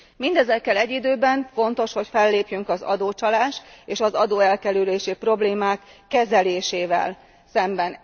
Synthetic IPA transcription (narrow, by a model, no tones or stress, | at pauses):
mind̪ɛzɛkːɛlɛɟːid̪øːbɛɱfo̞nt̪o̞ʃho̞cfɛlːeːpjyŋkɒzɒ̰d̪oːt͡ʃɒlaːʃt̪eːʃɒzɒd̪oːɛlkɛlyleːʃipro̞bleːmaːkːɛzɛleːʃeːvɛ̰l | sɛmbɛn